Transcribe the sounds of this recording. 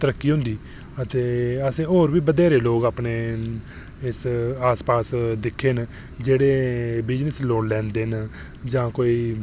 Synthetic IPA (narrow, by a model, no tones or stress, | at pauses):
t̪əɾəkːiːɦʊ̃nd̪iː | ət̪eːəsẽːoːɾbiːbəd̪eːɾeːloːɡaːpɳeː | ɪsaːspaːsd̪ɪkʰːeːn | d͡ʒeːɽeːbɪd͡ʒnəsloːɳlɛ̃ːnd̪eːn | d͡ʒãːkoːiː